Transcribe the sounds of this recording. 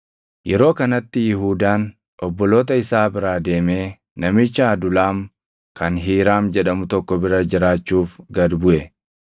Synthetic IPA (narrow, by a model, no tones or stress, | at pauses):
jɛɾo̞ːkɐnɐt̪ːɪjɪɦuːd̪aːn | ʔɔbːɔlo̞ːt̪̬ɐɪsaːbɪɾaːd̪e̞ːme̞ː | nɐmɪt͡ʃːɐːd̪ʊlaːm | kɐnɦiːɾaːmd͡ʒɛᶑɐmʊt̪ɔkːɔbɪɾɐd͡ʒɪɾaːt͡ʃːuːfɡɐd̪bʊʔɛ